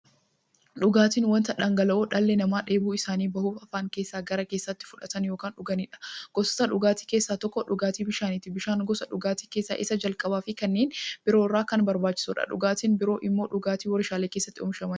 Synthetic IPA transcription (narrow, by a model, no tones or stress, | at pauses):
ᶑʊɡaːt̪iːnwɐnt̪ɐᶑɐŋɡɐlɐʔoːᶑɐlːɛnɐmaːᶑe̞ːbuːɪsaːniːbɐhuːfɐfaːŋkeːsːaːɡɐɾɐke̞ːsːɐt̪ːɪ̥fʊᶑɐt̪ɐnjo̞ːkaːnᶑʊɡɐniᶑɐ̥ɡ̥ɔst̪ɐᶑʊɡaːt̪i̥ːke̞ːsːaːt̪ɔkːɔᶑʊɡaːt̪iːbɪʃaːnit̪ːɪbɪʃaːnɡɔsɐᶑʊɡaːt̪iːkeːsːa̰ːʔɪsɐd͡ʒɐlkʼɐbaːfɪkɐnːeːnb̥ɪɾoːrːaːkɐnbɐɾbaːt͡ʃːɪ̥sʊᶑɐ̰ᶑʊ̰ɡaːt̪iːnbɪɾo̞ːʔɪmːo̞ːᶑʊɡaːt̪iːwɔɾɪʃaːleːke̞ːsːɐt̪ːɪʊmʃɐmɐn